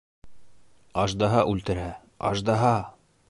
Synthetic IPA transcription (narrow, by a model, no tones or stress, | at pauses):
ɑʒd̪ɑɦɑʔʉlt̪ɘ̆ɾæ | ɑ̰ʒd̪ɑɦɑ